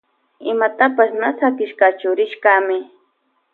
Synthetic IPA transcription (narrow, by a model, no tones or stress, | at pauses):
ɪmat̪apasnasakɪʃkat͡ʃʊɾɪʃkamɪ